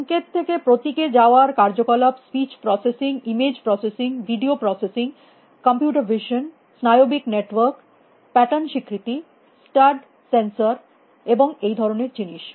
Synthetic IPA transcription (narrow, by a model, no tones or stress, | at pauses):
ɔŋket̪ʰːekepɾot̪iked͡ʑaoaɾkaɾd͡ʑokɔlapspit͡ɕpɾɔsesiŋimed͡ʑpɾɔsesiŋbʱiɖiopɾɔsesiŋ | kɔmpjuʈaɾbʱiʃon | snajobikneʈwoɾk | pɛʈanʃikʰɾit̪i | sʈaɾɖ | sensaɾ | eboŋejd̪ʱɔɾoneɾd͡ʑiniʃ